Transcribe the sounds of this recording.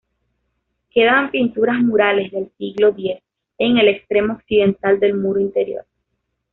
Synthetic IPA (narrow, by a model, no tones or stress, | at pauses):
ke̞ðampint̪uɾazmuɾale̞zðe̞lsiɣlo̞ðje̞s | e̞ŋe̞le̞kst̪ɾe̞mo̞ːoksiðe̞nt̪ald̪e̞lmuɾoint̪e̞ɾjo̞̰ɾ